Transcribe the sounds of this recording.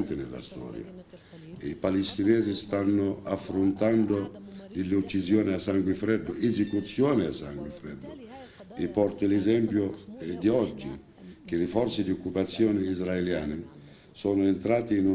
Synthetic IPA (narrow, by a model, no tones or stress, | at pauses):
nt̪ɪnɪ̰lːa̰st̪ɔ̰ːɾj̰a̰ | ipalist̪inɛːzist̪anːʊafːɾʊnt̪and̪ʊd̪ɪlːut͡ʃːizjɔːnɪasːaŋɡwɪfɾɛd̪ːʊʔezɪkut̪sːjɔːnɪasːa̰ŋɡwɪfɾɛd̪ːʊ | ɪpɔrt̪ʊlɛzɛmpjʊd̪iɔd͡ʒːḭ | k̟ɪlɪfɔrt̪sɪd̪iɔkːupat̪sːjɔːnɪizɾaeljaːnɪ | sɔːnʊent̪ɾaːt̪iːnu